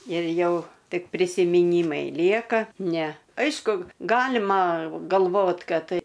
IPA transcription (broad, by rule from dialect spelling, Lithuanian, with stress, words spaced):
ɪr ˈjɛʊ ˈtʲɪk pʲrʲɪsʲɪmʲɪˈnʲiːmɐɪ ˈlʲiɛkɐ ˈnʲɛ ˈɐɪʃkʊ ˈɡɑːlʲɪmɐ ɡɐlˠˈʋoːt ˈkɐt